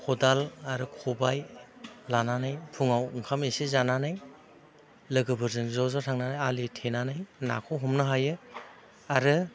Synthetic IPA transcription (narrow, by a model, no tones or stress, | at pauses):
kʰɔdalaɾɯkʰɔbajlananajpʰuŋawɯŋkʰamesezananaj | lɯɡɯbɯɾzɯŋzawzatʰaŋnanajalitʰenanajna̰kʰɔɦumnɯɦajɯ | aɾɯ